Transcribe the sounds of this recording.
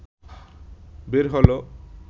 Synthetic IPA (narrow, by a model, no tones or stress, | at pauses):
beɾɦɔlo